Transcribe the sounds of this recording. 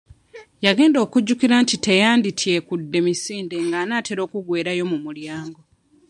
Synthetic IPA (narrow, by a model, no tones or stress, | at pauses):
jaɡe̞ːndo̞ːkuɟːukiɾaːntite̞jaːnditʰje̞kudːe̞misiːnde̞ŋɡaːnaːte̞ɾo̞ːkuɡwe̞ːɾajo̞mumuljaːŋɡo